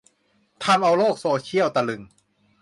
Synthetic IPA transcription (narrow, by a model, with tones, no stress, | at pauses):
t̪ʰa˧mʔa˧wloː˥˩k̚soː˧˩t͡ɕʰi˥˩əwt̪a˧lɯ˨˩ŋ